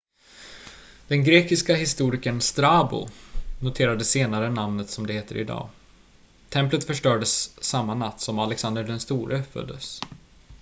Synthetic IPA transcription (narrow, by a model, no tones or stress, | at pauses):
d̪̥ɛnɡɾeːkɪskaɦɪst̪uːɾɪkənst̪ɾaːbʊ̰nʊt̪ʰeːɾad̪əseːnaɾənamnət̪sɔmd̪ɛheːt̪əɾɪ̰d̪ɑ̰ː | t̪ʰɛmplət̪fœʂʈœːɖəsːamːanat̪ːsɔmalɛksand̪əɖɛnst̪uːɾʔəfœ̰d̪ːə̰s